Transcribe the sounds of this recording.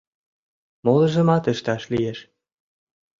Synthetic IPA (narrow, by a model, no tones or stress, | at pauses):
molə̆ʒə̆mɑt̪ə̆ʃt̪ɑʃlijeʃ